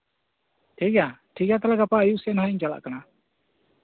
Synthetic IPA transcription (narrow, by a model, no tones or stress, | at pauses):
ʈʰiɡaʈʰiɡat̪̬alɛɡapaəjuʔsɛnɦaiɲd͡ʒala̰ʔkana